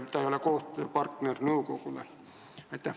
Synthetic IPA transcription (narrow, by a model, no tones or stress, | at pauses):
t̪ːæiolːɑkoːst̪pɑrt̪nernəukokulḛ | et̪ːæ